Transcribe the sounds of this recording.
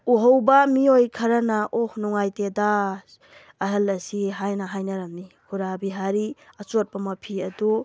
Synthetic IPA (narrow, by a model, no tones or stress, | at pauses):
uɦowbɐmiojkʰɐɾɐnɐʔohnuŋajtedaː | ɦɐlɐsiɦajnɐɦajnɐɾɐmni | kʰuɾabiɦaɾiɐt͡ʃot̚pɐmɐpʰiɐdu